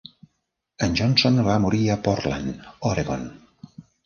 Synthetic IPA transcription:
ənd͡ʒɔnsonβamuɾiəpɔrla̰nɔɾeɣon

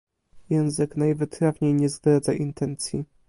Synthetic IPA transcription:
jɛ̃w̃zɘknajvɘt̪ɾavɲejɲɛzd̪ɾad̪zaʔint̪ʰɛnt̪sʲjḭ

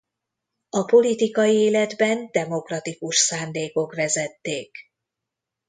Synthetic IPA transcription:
ɒpo̞lit̪ikɒjieːlɛd̪bɛnd̪ɛmo̞krɒt̪ikuʃsaːnd̪eːko̞kvɛzɛt̪ːeːk

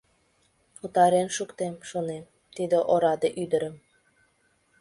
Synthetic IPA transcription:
ut̪ɑɾenʃukt̪emʃonem | t̪id̪ĕʔoɾɑd̪eʔyd̪əɾə̆m

